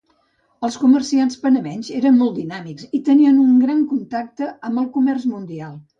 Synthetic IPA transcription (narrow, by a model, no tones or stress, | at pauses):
əlˠskumərsianspənəmɛnzeɾənmɔlˠt̪d̪inamikzit̪əniənuŋɡɾaŋkunt̪ak̚t̪əəmbəlˠkumɛrzmund̪ialˠ